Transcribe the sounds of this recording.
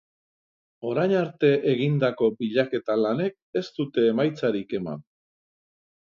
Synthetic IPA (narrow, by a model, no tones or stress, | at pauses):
o̞ɾajɲaɾt̪e̞ʔeɣind̪ako̞biʎake̞t̪alane̞k̚e̞st̪ut̪e̞ːmajt͡saɾike̞ma̰n